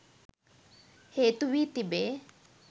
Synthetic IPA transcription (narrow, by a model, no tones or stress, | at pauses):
heːt̪uʋiːt̪ibeː